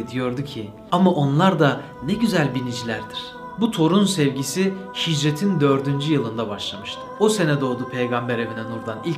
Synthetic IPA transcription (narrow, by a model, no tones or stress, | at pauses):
d̪ijo̞ɾd̪ucʰi | amaʔo̞nlˠaɾd̪a | nɛɟyzælʲbinid͡ʒilʲæɾd̪iɾ̥ | but̪ʰo̞ɾunsɛvɟisihid͡ʒɾet̪ʰind̪ø̞ɾd̪ynd͡ʒyjɯlˠɯnd̪abaʃlˠamɯʃt̪ʰɯ̥ose̞nɛd̪o̞ːd̪upʰe̞jɡambɛɾe̞vinɛnuɾd̪anilʲ